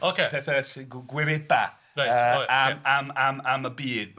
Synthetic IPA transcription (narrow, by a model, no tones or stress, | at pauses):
okʰepʰɛθɛsɡɡwɪvɪd̚ba | ɹajəaamamaməbiːd̥̚